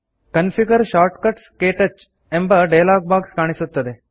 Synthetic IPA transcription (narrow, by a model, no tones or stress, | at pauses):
kənfiɡəɾʃaːɾʈkəʈskeːʈət͡ʃ | ẽmbɐɖejlaːɡ̚baːɡskaːɽ̃isot̪ːəd̪e